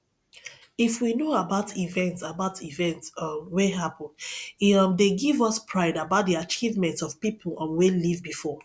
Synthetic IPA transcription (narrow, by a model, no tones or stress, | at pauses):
ifwinoabaʊtʰivɛ̃ntsabaʊtivɛ̃ntsmweɦapə̃ndmdeɡivʌspʰɹaɪdabaʊt̚diat͡ʃivmɛ̃ntɔv̥pipʰl̩ə̃nwelivbifɔ